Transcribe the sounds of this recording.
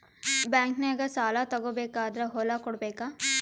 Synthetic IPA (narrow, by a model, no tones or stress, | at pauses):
bɛ̃ːŋkneɐɡɐɾsaːlat̪ɐɡobeːkaːd̪ɾaɦoːlakʊɽbeːka